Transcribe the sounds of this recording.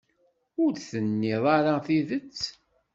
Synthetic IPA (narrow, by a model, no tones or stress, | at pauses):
ʊɾθənːɪðˤɑɾaθiðət͡sː